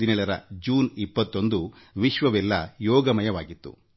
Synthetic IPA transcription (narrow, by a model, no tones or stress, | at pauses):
inɛɭɐɾɐ̰d͡ʒuːnipːɐt̪ːo̞nd̪u | ʋiʃʋɐʋɛlːɐjɔːɡɐmɐjɐʋaːɡit̪ːṵ